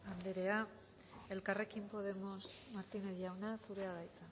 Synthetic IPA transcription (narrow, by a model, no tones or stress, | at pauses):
and̪eɾe̞a | e̞lkare̞kimpo̞ð̞e̞mo̞smaɾt̪inejawnasuɾe̞aðajt̪a